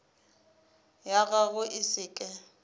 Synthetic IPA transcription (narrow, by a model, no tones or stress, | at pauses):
jaɣaɣʊʔɪsɪːkʼɛ